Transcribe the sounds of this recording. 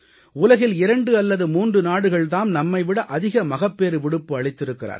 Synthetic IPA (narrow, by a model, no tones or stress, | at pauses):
ʊlɐɣɪlɪɾɐɳɖɯɐlːɐðɯmuːndrɯnaːɽɯɣɐɭt̪aːmnɐmːɐɪʋɪɽɐʔɐðɪɣɐmɐɣɐpːeːɾɯʋɪɽɯpːɯɐɭɪt̪ːɪɾɯkːɪra̰ːɾ